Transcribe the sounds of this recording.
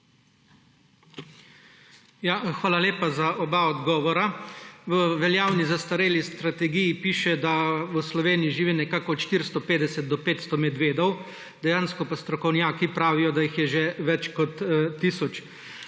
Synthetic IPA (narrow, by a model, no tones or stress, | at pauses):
jaxʋaːlaleːpazaʔɔbaɔd̪ɡɔːʋɔɾaʋəʋɛljaːwnizast̪aɾeːlist̪ɾat̪ɛɡijipiːʃɛd̪aʋəslɔʋeːnijiʒiʋinɛkaːkɔːt̪ʃt̪iɾst̪ɔpeːd̪ɛsɛt̪̚d̪ɔpeːt̪st̪ɔmɛd̪ʋeːd̪ɔw | d̪ɛjaːnskɔpast̪ɾɔkɔwnjaːkipɾaːʋijɔd̪ajixjɛʒeʋɛt͡ʃkɔt̪ːiːsɔt͡ʃ